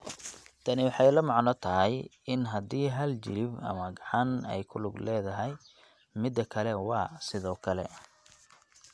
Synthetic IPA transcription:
t̪ʰɐnɪwɑħɑjlɐmɑʕnɔt̪ʰɐɦɛjɪnɦɐd̪iːɦɐlt͡ʃɪ̰lɪbɐ̰mɐɡɑʕɑnɛ̰jkʰʊlʊɡlɛːðɐɦɛj | mɪd̪ːɐkʰɐlɛwɑːsɪðɔːkʰɐlɛ̰

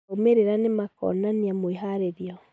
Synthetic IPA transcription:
omeɾeɾanemakɔ̰naniamoeɦaɾeɾiɔ

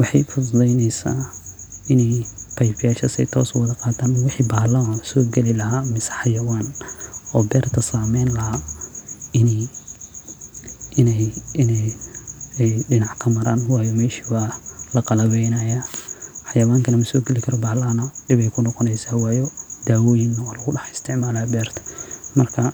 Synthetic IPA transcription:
wɑħɑjfʊddɛjnɛjsa̰ːɪnɛjpʰɐjfɪjaːʃɐsɛ̰jt̪ʰɔːswɐðɐqɑːt̪ʰaːnwɪħiːbaːlɐɐsɔːɡɛlɪlɐɦaːmɪsɛ̥ħɑjɐwaːnɔːbɛːrt̪ʰɐsaːmɛjnlɐɦaː | ɪn | ɪnɛjɪnɛ | ɛjɖɪnɑʕkʰɐmɐɾaːnwɑːjɔmɛːʃi̥waːlɐqɑlɐβɛjnɐjaːħɑjɐwaːŋkʰɐnɐmɐsɔːɡɛlɪkʰɐɾɔbaːhlɐɐnɐɖɪβɛjkʰʊnɔqɔnɛjsaːwɑːjɔd̪aːwɔːjɪnɐwɔːlɐɣʊɖɑħɪst̪ʰɪʕmaːlaːbɛːrt̪ʰɐ̥mɐrkʰɐ

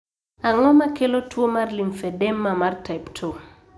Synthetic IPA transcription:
aŋɔmakelotwomarlimfɛdɛmːamartajptʰo

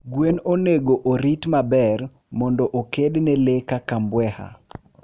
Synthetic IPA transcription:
ɡwenoneɡoʔoɾitmabɛr | mɔndɔʔokednɛlekakambwɛha̰

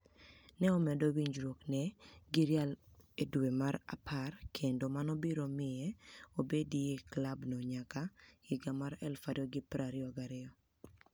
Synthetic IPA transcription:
nɛɔmɛdowiɲd͡ʒɾoknɛɡɪɾjaledwemaɾa̰pʰarkʰendomanɔbiɾomɪɛobedijeklabnoɲakaɪɡamaɾɛlfadɔɡɪpɾaɾɪɔɡaɾɪɔ

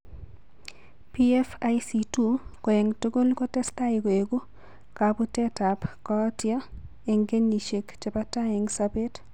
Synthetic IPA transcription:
piefajsitukoeŋtoɡolkotɛstaɪkoeɡu | kaputɛtapkɔtja | eŋɡeniʃekt͡ʃepataɪŋsabet

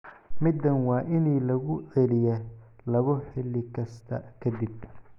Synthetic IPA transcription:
mɪd̪ːɐnwɑːʔɪniːlɐɣʊʕɛlɪjɛ | lɐβɔħɪlːɪkʰɐst̪ʰɐ̰kʰɐd̪ɪb̚

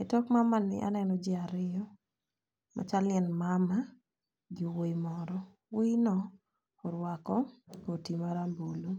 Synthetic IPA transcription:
etɔkmamanɪ̰ʔa̰nɛnɔd͡ʒɪaɾɪjɔ | mʔa̰t͡ʃaljɛnmama | ɡiwejmɔɾɔ | wejnɔ | ɔɾwakɔotimaɾambolo

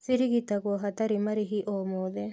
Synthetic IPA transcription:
siɾiɣitaɣwɔɦataɾimaɾiɦiʔɔmɔðɛ

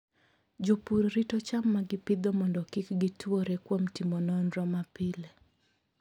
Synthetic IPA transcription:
d͡ʒopuɾɾitɔt͡ʃamːaɡɪpɪd̪ɔmɔndɔkikɡitwoɾekwomtimɔnɔnɾɔmapile

